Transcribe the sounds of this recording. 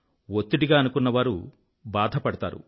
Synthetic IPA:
ot̪ːuʈiɡaːɐnukunːɐʋaːɾu | baːd̪ʱɐpɐɽɐt̪a̰ːɾṵ

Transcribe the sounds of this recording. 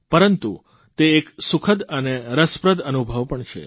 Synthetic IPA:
pəɾənt̪ṵ | t̪eːksukʰəd̪əneɾəspɾəd̪ənubʱəʋpəɳt͡ʃʰḛ

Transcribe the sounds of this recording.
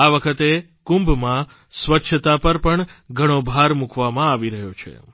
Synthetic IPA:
aʋəkʰət̪e | kũmbmã | sʋətːʃʰət̪apəɾpəɳɡʱəɽ̃obʱaɾmũkʰʋamãaʋiɾəɦjot͡ʃʰḛ

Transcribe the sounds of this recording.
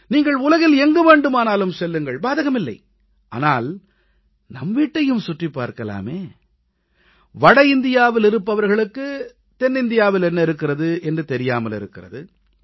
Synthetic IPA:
niːŋɡɐɭʊlɐɣɪlɛŋɡɯʋeːɳɖɯmaːnaːlɯmsɛlːɯŋɡɐɭbaːðɐɣɐmɪlːɐ̰ɪ | ʔa̰ːnaːl | nɐmʋiːʈːɐjɯmsʊʈripːa̰ːɾkɐla̰ːmeː | ʋɐɽɐɪnd̪ɪjaːʋɪlɪɾɯpːɐʋɐɾɣɐɭɯkːɯ | t̪ɛnːɪnd̪ɪjaːʋɪlɛnːɐɪɾɯkːɪrɐðɯʔɛndrɯt̪ɛɾɪjaːmɐlɪ̰ɾɯkːɪrɐðɯ

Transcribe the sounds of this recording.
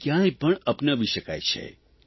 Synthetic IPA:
kjãẽpəɳəpnəʋiʃəkajt͡ʃʰḛ

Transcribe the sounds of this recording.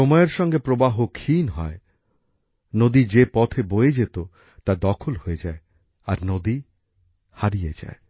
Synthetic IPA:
ʃɔmɔeeɾʃɔŋɡepɾobaɦokʰinɦɔ̰e | nod̪id͡ʑepɔt̪ʰebojed͡ʑet̪o | t̪ad̪ɔkʰolhoed͡ʑae | aɾnod̪i | haɾijed͡ʑa̰e

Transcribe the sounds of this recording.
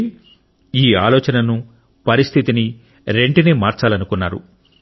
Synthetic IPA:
iːa̰ːlɔːt͡ʃɐnɐnu | pɐɾist̪ʰit̪ini | ɾe̞ɳʈineːmaːɾt͡ʃaːlɐnukunːaːɾṵ

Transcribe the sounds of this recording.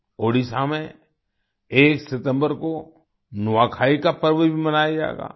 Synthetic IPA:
oːɽisamẽ | eːksɪt̪ə̃mbəɾko | nʊʋaːkʰaːikapəɾʋəbʱimɐnaːjad͡ʒa̰ːɡa̰ː

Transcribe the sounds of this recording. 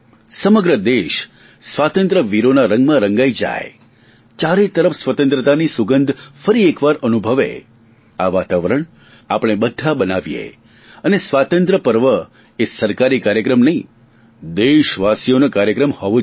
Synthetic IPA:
səməɡɾəd̪eʃ | sʋat̪ə̃nt̪ɾəʋiɾonaɾəŋɡmãɾəŋɡaid͡ʒa̰j | t͡ʃaɾet̪əɾəfsʋət̪ə̃nt̪ɾət̪anisuɡənd̪ʱfəɾiekʋaɾənubʱəʋḛ | aʋat̪aʋəɾəɳ̃ | apɽ̃ebəd̪ʱːabənaʋjḛ | ənesʋat̪ənt̪ɾəpəɾʋə | esəɾkaɾikaɾjəkɾəmnəɦĩ | d̪eʃʋasijonokaɾjəkɾəmhɔʋo

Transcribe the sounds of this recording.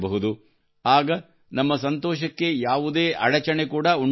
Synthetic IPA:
bɐɦud̪u | aːɡɐ | nɐmːɐsɐnt̪ɔːʃɐkːe̞jaːʋud̪e̞ːʔɐɽɐt͡ʃɐɳekuːɽɐuɳ

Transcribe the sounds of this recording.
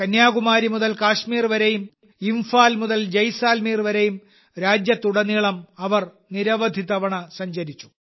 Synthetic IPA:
kɐnjaːɣumaːɾimuðɐlkaːʂmiːrʋɐɾejum | imfaːlmuðɐld͡ʑɐjsaːlmiːrʋɐɾejum | ɾaːd͡ʑjɐt̪ːuɽɐniːɭɐmɐʋɐr | niɾɐʋɐd̪ʱiðɐʋɐɳɐsɐɲd͡ʑɐɾit͡ɕːu̥

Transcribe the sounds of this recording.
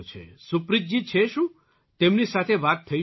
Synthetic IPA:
t͡ʃʰḛsupɾid͡ʒ̚d͡ʒit͡ʃʰeʃũ | t̪emnisat̪ʰeʋat̪ʰːəi

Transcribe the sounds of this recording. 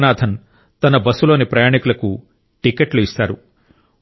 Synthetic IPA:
naːd̪ʱɐn | t̪ɐnɐbɐsulo̞ːnipɾɐjaːɳikulɐku | ʈikeʈluist̪aːɾu

